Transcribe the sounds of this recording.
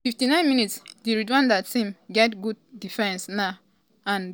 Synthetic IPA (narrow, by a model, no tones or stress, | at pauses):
fiftinãɪ̃nminitsdiɹidwãndatĩmɡɛtɡuddifɛ̃nsna | ãnd